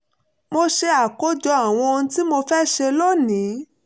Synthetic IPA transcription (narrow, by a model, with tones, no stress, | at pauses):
mo˧ʃe˧a˨ko˦d͡ʒɔ˧a˨w̃ɔ̃˧nũ˧ti˦mo˧fɛ˦ʃe˧lo˦nĩ˨˦